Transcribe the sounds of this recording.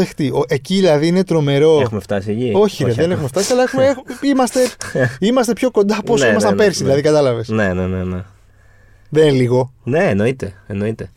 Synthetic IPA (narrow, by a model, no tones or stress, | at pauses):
ext̪ioʔeciðilɐðiine̞t̪ɾo̞me̞ɾo̞exumeft̪ɐsiecio̞çieðenexume̞ft̪ɐsiɐlɐexumeeximɐst̪e̞imɐst̪e̞pço̞ko̞nd̪ɐposimɐst̪ɐmpe̞ɾsiðilɐðikɐt̪ɐlɐvesnenenene | ðeliɣo̞neːno̞it̪eeno̞it̪e̞